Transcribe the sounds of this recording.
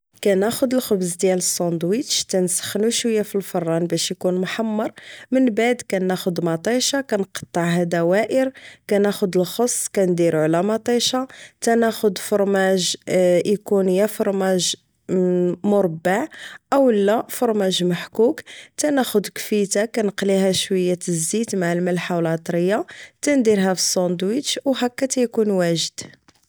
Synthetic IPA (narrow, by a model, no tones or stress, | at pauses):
kænæxʊd̪əlxʊbzd̪jæləsˤːɑnd̪wit̪ʃt̪ænsə̥xnuʃwəjːæfilfɑrˤːɑnbæʃjkunmħamːɑɾˤmənbaʕd̪kænːæxʊd̪mɑt̪ˤiʃɑkænqɑ̥t̪ˤːɑʕhæd̪æwæʔəɾkænæxʊd̪əlxosˤːkænd̪iɾʕlæmɑt̪ˤiʃɑt̪ænæxʊd̪fʊɾˤmæʒʔikunəjːæfoɾˤmæʒ | mʊɾˤbːaʕʔəwəlːæfʊɾˤmæʒməħkukt̪ænæxʊd̪kfit̪akænəqliɦæʃwəjːaəzːit̪maʕəlmælħawlʕɑt̪ˤɾəjːat̪ænd̪iɾɦæfi̥sˤːond̪wit͡ʃwɦækːæt̪æjkunwæʒəd̪̥